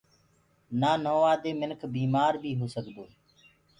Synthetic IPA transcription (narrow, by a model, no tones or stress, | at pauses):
naːnoːʋaːd̪eːmɪnkʰbiːmaːɾbʱiːɦoːsəkd̪oː